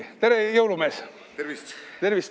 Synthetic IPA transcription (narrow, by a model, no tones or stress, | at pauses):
t̪e̞ɾejɤwlume̞ːs | vit̪e̞rvis